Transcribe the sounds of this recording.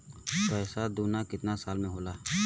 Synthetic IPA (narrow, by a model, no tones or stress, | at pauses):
tɛːsad̪uːnakɪt̪nasaːlmẽɦoːlaː